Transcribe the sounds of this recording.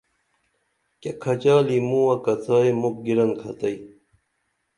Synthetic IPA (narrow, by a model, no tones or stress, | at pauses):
kekʰɐt͡ɕaːlimũːwɐkɐt͡sʰaːemuk̚ɡiɾɐnkʰɐt̪ɐi